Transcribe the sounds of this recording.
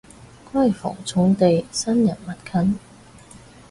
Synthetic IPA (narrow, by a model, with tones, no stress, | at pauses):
kwɐ˥˩jfɔ̰ː˨˩ŋt͡sʰʊ˨˥ŋt̪e˨jsɐ˥njɐ˨˩nmɐ˨t̚kʰɐ˧˥n